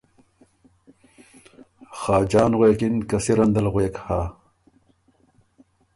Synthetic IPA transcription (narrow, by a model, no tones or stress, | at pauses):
xaːd͡ʑaːnʁweːkinkɐsiɾɐnd̪ɐlʁweːkhaː